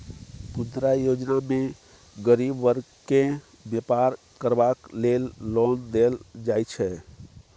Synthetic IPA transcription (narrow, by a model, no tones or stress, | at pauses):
pund̪ɾajod͡ʒname | ɡəɾibʋəɾ | ke | bjepaɾ | kəɾbaklelːɔnd̪eld͡ʒajt͡ʃʰɛ